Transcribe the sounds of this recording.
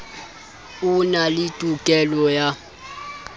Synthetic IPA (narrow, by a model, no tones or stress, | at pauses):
unalitʼukʼɛlɔja